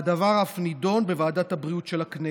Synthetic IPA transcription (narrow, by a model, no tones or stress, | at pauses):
d̪avaʁaafnido̞nbevaːdathabʁiutʃelakne